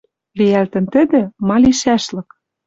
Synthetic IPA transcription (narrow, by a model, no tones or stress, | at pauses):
βejælt̪ɘ̆nt̪ɘ̆d̪ɘ̆mɑliʃæʃlɤ̆k